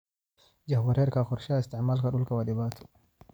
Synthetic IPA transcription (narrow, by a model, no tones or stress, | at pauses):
d͡ʒahwaɾɛɾkaxʊɾʃaːɪst̪ɪʕmaːlkaɗʊlkawadɪbaːt̪